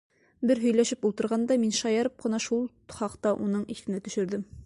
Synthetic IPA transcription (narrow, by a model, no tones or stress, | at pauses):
bɘɾɦɵ̆jlæʃɘpulˠt̪ɤ̆ɾʁɑnd̪ɑminʃɑjɑɾɤp̚qɤ̆nɑʃulˠ | χɑqt̪ɑʔunɤɴiθɘ̆næt̪ɵ̆ʃɵ̆ɾd̪ɘm